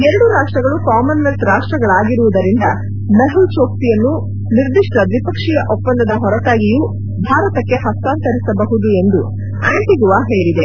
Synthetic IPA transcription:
eɾɐɽuɾaːʂʈɾɐɡɐɭukaːmɐnːɐstɾaːʂʈɾɐɡɐɭaːɡiɾuʋud̪ɐɾind̪ɐ | mɐɦult͡ʃoːk̚t̪ijɐnːu | niɾd̪iʂʈɐd̪ʋipɐkʂijɐʔɔpːɐnd̪ɐd̪ɐɦɔɾɐʈaːɡijuː | bʱaːɾɐt̪ɐkːe̞ɦɐst̪aːnt̪ɐɾisɐbɐɦud̪ue̞nd̪u | aːɳʈ̪iɡuʋaːɦeːɭid̪e

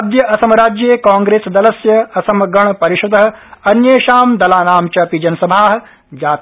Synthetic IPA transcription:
d̪ʱjɐʔɐsɐmɐɾaːd͡ʒjeːkãːŋɡɾeːsd̪ɐlɐsjɐɐsɐmɐɡɐɳ̃pɐɾiʃɐd̪ɐɦɐ̆ɐnjeːʃaːmd̪ɐlaːnaːmt͡ʃɐpid͡ʒɐnɐsɐbʱaːɦɐ̆ | d͡ʒaːt̪

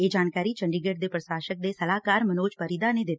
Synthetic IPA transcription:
eːd͡ʒaːnkaːɾiːt͡ʃəɳɖiɡeːʈd̪eːpɾəsaːʃək̚d̪eːsəlaːkaːɾmənoːt͡ʃpəɾid̪aːned̪ɪt̪ː

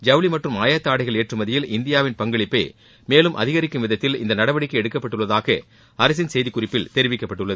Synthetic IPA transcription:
d͡ʒɐʋlimɐʈrɯmaːjat̪ːaːɽɐɪɣɐɭeːʈrɯmɐðɪjɪlɪnd̪ɪjaːʋɪnpɐŋɡɐɭɪpːḛː | meːlɯmʔɐðɪɣɐɾɪkːɯmʋɪðɐt̪ːɪlɪ̰nd̪ɐnɐɽɐbɐɽɪkːɯɛɽɯkːɐpːɐʈːɯɭːɐðaːɣɐ | ɐɾɐs̬ɪnsɛjðikːʊrɪpːɪlt̪ɛɾɪʋɪkːɐpːɐʈːɯɭːɐðɯ

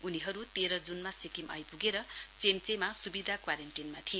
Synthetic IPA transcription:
uniɦʌɾut̪eɾʌd͡zunmasikimʔʌjpuɡeɾʌt͡semt͡semasubid̪ʱakwaɾenʈinmat̪ʰije

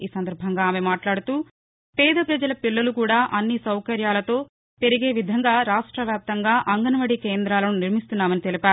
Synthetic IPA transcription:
iːsɐnd̪ɐɾbʱɐŋɡaːmemaːʈlaːɽut̪uː | pɛːd̪ɐpɾɐd͡ʒɐlɐpilːɐlukuːɽaːʔɐnːisɐwkɐɾjaːlɐt̪o̞ː | pe̞ɾiɡeːʋid̪ʱɐŋɡaːɾaːʂʈɾɐʋjaːp̚t̪ɐŋɡaːʔɐŋɡɐnɐʋɐɽikeːnd̪ɾaːlɐnuniɾmist̪unːaːmɐnit̪elipaːɾu

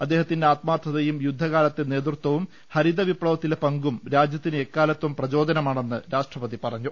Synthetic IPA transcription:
ɐd̪ːe̞ːɦɐt̪ːindeaːt̪maːt̪ʰːɐðɐjumjud̪ʱːɐɣaːlɐt̪ːe̞ne̞ːt̪̬rut̪wɐʋum | hɐɾiðɐʋipɽɐʋɐt̪ːilepɐŋɡumɾaːd͡ʑjɐt̪ːinekːaːlɐt̪ːʋumprɐt͡ɕo̞ːd̪ɐnɐmaːɳe̞nːɨɾaːʂʈrɐpɐðipɐrɐɲːu

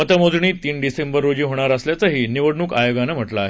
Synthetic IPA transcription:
ət̪əmod͡zɳiːt̪iːnɖisembəɾːod͡ʑiːɦoɽ̃aɾəsljat͡səɦiːniʋəɽɳuːkajoɡanam̤əʈlaːɦe

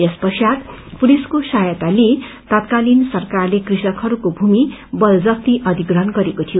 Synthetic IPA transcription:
espʌsjat̪puliskosajʌt̪ale | t̪ʌt̪kalinsʌrkarlekrisʌkʰhʌɾukobʱumibʌld͡zʌk̚t̪iʔʌd̪ʱiɡrʌɦʌnɡʌɾekot̪ʰijo

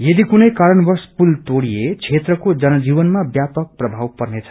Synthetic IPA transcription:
jʌd̪ikunʌjkaɾʌnbʌrspult̪oɽijet͡sʰet̪rʌkod͡zʌnʌd͡zibʌnmabjapʌk̚prʌbʱawpʌrnet͡sʰʌ̥

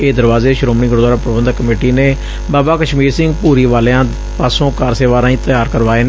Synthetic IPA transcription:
eːd̪əɾʋaːzeːʃɾoːmniːɡʊɾod̪aːɾaːpɾəbənd̪kːəmeːʈiːneː | baːbaːkəʃmiːɾsɪ̃ŋɡpuːɾiːʋaːleãː | paːsõːkaːɾseːʋaːɾãːĩːt̪əjaːɾkəɾʋaːeːn

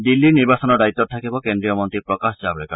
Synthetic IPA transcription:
d̪ilːiniɾbasɔnɔɖait̪ːɔt̪ʰakibɔkend̪ɾijɔmɔnt̪ɾiɾpɾɔkasd͡ʒabɾeka

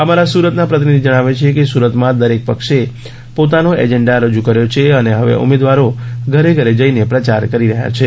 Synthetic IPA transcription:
əmaɾasuɾət̪napɾət̪inid̪ʱid͡ʒəɽ̃aʋet͡ʃʰekesuɾət̪mãd̪əɾek̚pəkʃe | pot̪anoḛd͡ʒɛɳɖaɾəd͡ʒukəɾjot͡ʃʰeəneɦəʋḛʔṵmed̪ʋaɾoɡʱəɾeɡʱəɾed͡ʒəinepɾət͡ʃaɾkəɾiɾəɦja̰t͡ʃʰe

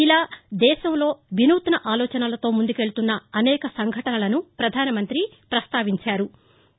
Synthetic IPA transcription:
ilaːd̪ɛːʃɐmlo̞ːʋinuːt̪ɐnɐʔaːlɔːt͡ʃɐnɐlɐt̪o̞ːmund̪uke̞ɭt̪unːɐɐnɛːkɐsɐŋɡʱɐʈɐnɐlɐnupɾɐd̪ʱaːnɐmɐnt̪ɾi | pɾɐst̪aːʋiɲt͡ʃaːɾu

